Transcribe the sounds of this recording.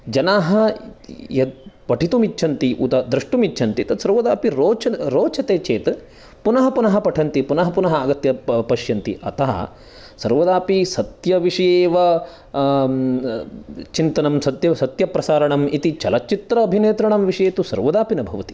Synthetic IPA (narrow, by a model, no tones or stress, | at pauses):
d͡ʒɐnaːɦɐjɐpɐʈʰit̪umit͡ʃːʃʰɐnt̪iʔṵt̪ɐd̪ɾɐʂʈumitːt͡ʃʰɐnt̪it̪ɐsɐɾʋɐd̪aːpiɾoːt͡ʃʰɐɾoːt͡ʃʰɐt̪eːt͡ʃeːt̪ | punɐɦɐpunɐɦɐpɐʈʰɐnt̪ipunɐɦɐpunɐɦɐaːɡɐt̪jɐpɐʃjɐnt̪ḭʔɐ̰t̪ɐɦɐ̰ | sɐɾʋɐd̪aːpisɐt̪jɐʋiʂɐjeːʋɐ | t͡ʃint̪ɐnɐmsɐt̪jɐsɐt̪jɐpɾɐsaːɾɐɳɐmit̪it͡ʃɐlɐt͡ʃːit̪ɾɐːbʱineːt̪ɾɐɳɐmʋiʂɐjeːt̪usɐ̰ɾʋɐd̪aːpinɐbʱɐʋɐt̪i̥